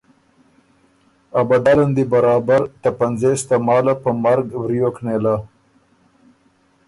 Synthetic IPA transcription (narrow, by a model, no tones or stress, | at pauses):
abad̪aland̪ibaɾɑːbaɾt̪apanzest̪amɑːlapəmaɾɡwɾijoknela